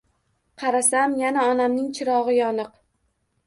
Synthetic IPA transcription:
qʰɑɾasamjanaɒnamnɪŋt͡ʃʰɪɾɒʁɨjɒnɨq

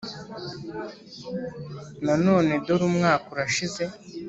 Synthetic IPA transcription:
nano̞ːne̞doɾumŋaːkuɾaʃize̞

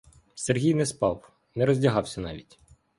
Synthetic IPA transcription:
serɦʲijnɛspɑw | nɛɾɔzʲdʲɐɦɑwsʲɐnɑ̰ʋʲitʲ

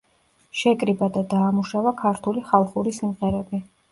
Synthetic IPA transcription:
ʃɛkʼɾibad̪ad̪aːmuʃavakʰaɾt̪ʰuliχalˠχuɾisimʁɛɾɛbi

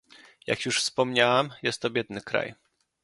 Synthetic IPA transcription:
ja̰kjuʂfspɔmɲawɛmjɛst̪ːɔbʲjɛd̪nɘkɾa̰j

